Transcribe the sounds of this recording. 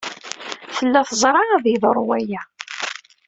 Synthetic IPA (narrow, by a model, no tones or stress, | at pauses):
θəlːæθəzˤɾˤɑæðjəðəɾˤwæjæ